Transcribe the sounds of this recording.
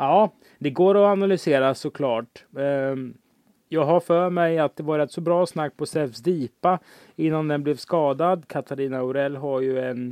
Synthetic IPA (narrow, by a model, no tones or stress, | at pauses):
ɑː | d̪ɛɡoːɾɔanalʏseːɾasɔkʰlɑːʈ | jɑːɡɦafœːɾmɛjat̪̚d̪ɛvɑːɾɛt̪sɔbɾɑːsnakːpʰɔsɛfsd̪iːpa | ɪnːand̪ɛnblɛvskɑːd̪ad̪kʰat̪ʰaɾiːnaʊɾɛlːɦaɾjɵɛn